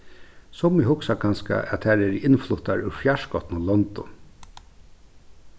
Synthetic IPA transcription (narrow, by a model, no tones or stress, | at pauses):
sɔmɪhʊksakʰanska̰ʔɛ̰t̪hɛɾɛɾɪnflʊt̪aɾʉɾfjaʂkɔt̪nʊlɔnt̪ʊ